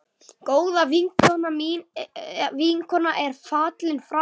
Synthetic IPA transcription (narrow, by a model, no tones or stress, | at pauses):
koːwðaviŋkʰɔnami | viŋkʰɔnaʔɛɾ̥faːt̪lɪnfɾa